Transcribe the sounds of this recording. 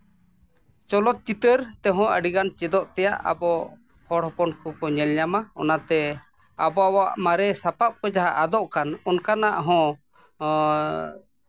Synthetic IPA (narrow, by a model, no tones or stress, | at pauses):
t͡ʃɔlɔt̪̚t͡ʃit̪əɾt̪ɛɦɔ̃əɖiɡant͡ʃɛd̪ɔʔt̪ɛjaʔa̰bɔ | hɔɽhɔpɔnkɔkɔɲɛlɲamaɔ̰nat̪ɛ | abɔawaʔmaɾɛsapap̚kɔd͡ʒaɦaʔad̪ɔʔkanɔnkanaʔɦɔ̃